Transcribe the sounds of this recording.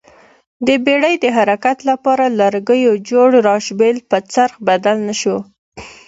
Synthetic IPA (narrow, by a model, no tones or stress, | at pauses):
d̪əbeɽəjd̪əɦaɾakat̪lapɑɾalaɾɡəjod͡ʒoɽɾɑʃbelpət͡saɾxbad̪alnaʃo